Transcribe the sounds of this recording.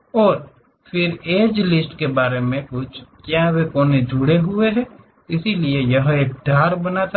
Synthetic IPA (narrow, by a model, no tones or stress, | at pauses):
ɔːɾ | fʰɪɾeːd͡ʒlɪsʈkebaːɾemẽkʊt͡ʃʰkjaːwekɔːned͡ʒuɽeɦʊeɦɛ | ɪsiliejɐɦeːk̚ɖʱaːɾbɐnaːt̪a